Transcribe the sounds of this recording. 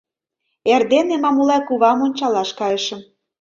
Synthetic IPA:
erd̪enemɑmulɑkuβɑmonʲt͡ɕɑlɑʃkɑjəʃə̆m

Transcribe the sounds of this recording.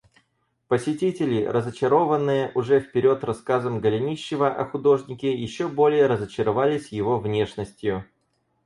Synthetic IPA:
pəsʲɪtʲitʲɪlʲɪrəzət͡ɕɪɾo̞vənːɨjəʔʊʐɛfpʲɪɾʲo̞t̪rɐskazəmɡəlʲɪnʲiɕːɪvəʔɐxʊd̪o̞ʐnʲɪkʲɪjɪɕːobo̞lʲɪjəɾəzət͡ɕɪɾɐvalʲɪsʲjɪvo̞vnʲe̞ʂnəsʲtʲjʊ

